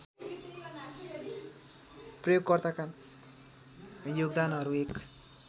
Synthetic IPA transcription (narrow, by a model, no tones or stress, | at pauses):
prʌjoɡkʌrt̪akan | joɡd̪anɦʌɾuek